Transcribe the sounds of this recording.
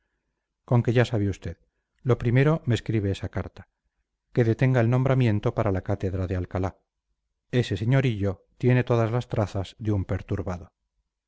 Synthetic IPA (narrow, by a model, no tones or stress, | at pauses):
ko̞ŋke̞ʝasaβeust̪e̞ð | lo̞pɾime̞ɾo̞meskɾiβeesakaɾt̪ḁ | ke̞ðe̞t̪e̞ŋɡae̞lnõ̞mbɾamje̞nt̪o̞paɾalakat̪e̞ðɾaðealkala | e̞se̞se̞ɲo̞ɾiʎo̞t̪je̞ne̞t̪o̞ðazlast̪ɾaθaz̥ðeumpe̞ɾt̪uɾβaðo̞